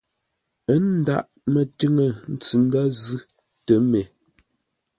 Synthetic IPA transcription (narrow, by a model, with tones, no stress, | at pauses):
ə˦n˦da̰˦˨ʔ | mə˨tʉ˦ŋə˨n̩˦t͡si˨˦n̩˦da˦zʉ˦ | tə˨˦me˨